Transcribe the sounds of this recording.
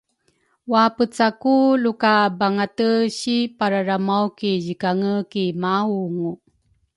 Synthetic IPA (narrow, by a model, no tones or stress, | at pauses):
wapət͡sakulukabaŋatəɕipaɾaɾamawkiʑikaŋəkimauŋu